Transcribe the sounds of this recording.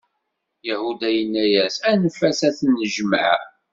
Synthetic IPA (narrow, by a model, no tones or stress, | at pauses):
jahud̪æjənːæjæsænfæsæθnːəʒm̰ʕ